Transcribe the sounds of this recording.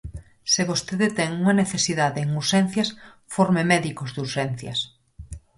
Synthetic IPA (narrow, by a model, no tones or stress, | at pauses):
seβost̪eðet̪ɛŋuŋɐneθesiðaðeːŋuɾʃɛn̟θjɐs | foɾmemɛðikozðuɾʃɛn̟θjɐs